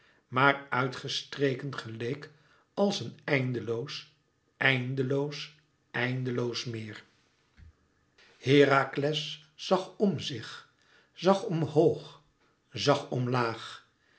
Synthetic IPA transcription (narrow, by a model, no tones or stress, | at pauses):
maːɹœɥtχəstrejkənχəlejk | ɑlˠsənɛjndəlows | ɛjndəlows | ɛjndəlowsmɪːɹ | hɪːraːklɛsː | ɑχɔmzɪχ | z̥ɑχɔmhowχ | zɑχɔmlaːχ